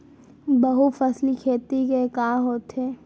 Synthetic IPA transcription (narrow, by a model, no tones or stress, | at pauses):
bɐɦufɐslikʰeːt̪ikekaːɦoːt̪ɦɛː